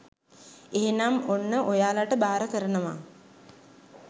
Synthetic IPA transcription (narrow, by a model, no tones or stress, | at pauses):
eɦenamonːəʔojaːlaʈəbaːɾəkəɾənəʋaː